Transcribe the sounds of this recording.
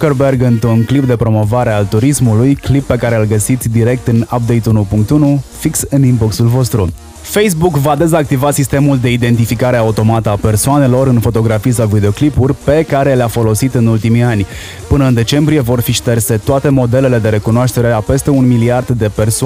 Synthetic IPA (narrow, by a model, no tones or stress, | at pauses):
kerberɡɨnt̪ɾunklip̚d̪e̞pɾo̞mo̞vaɾe̞alt̪uɾismulujklipːe̞kaɾe̞ɨlɡəsit̪sʲd̪iɾe̞k̚t̪ɨnap̚d̪ejt̪unupuŋk̚t̪unufiksɨnimboksulvo̞st̪ɾu | fejs̬bukvad̪e̞zak̚t̪ivat̪sist̪e̞muld̪e̞id̪e̞nt̪ifikaɾe̞aut̪o̞mat̪əape̞rsoane̞lo̞ɾɨnfo̞t̪o̞ɡɾafijs̬awvid̪eo̞klipurʲpe̞kaɾe̞leafo̞lo̞sit̪ɨnult̪imianʲ | pɨnəɨnd̪e̞t͡ʃe̞mbɾije̞vo̞rfiʃt̪erse̞t̪oat̪e̞mo̞d̪e̞le̞le̞d̪e̞ɾe̞kunoaʃt̪e̞ɾe̞ape̞st̪e̞unmiliard̪d̪e̞pe̞rso